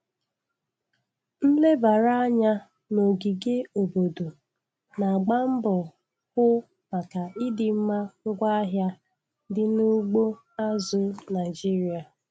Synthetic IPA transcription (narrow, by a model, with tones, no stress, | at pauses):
n̩˦le˦ba˨ɾa˦a˦ɲa˦ | no˨ɡi˨ɡe˦o˨bo˨do˨ | na˨a˨ɡ͡ba˦m̩˦bɔ˨ | kʊ˦ | ma˨ka˨ɪ˦dɪ˨m̩˦ma˦ŋ̩˦ɡʷa˦a˦ɦja˦ | dɪ˦nu˦ɡ͡bo˦ | a˦zʊ˦na˨ɪ˨d͡ʒi˦ɾi˦a˨